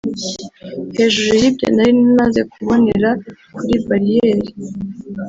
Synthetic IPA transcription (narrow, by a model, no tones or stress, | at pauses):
he̞ːʒuɾujibɟḛndaɾinimaze̞kuβo̞neɾa | kuɾibaɾijeːɾi